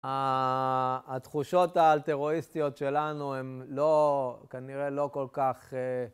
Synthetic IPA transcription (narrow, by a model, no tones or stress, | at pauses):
a | t̪χuʃo̞t̪aːlt̪eʁo̞ist̪ijo̞tʃe̞lanuemlo̞kaniʁe̞lo̞ko̞lkaχe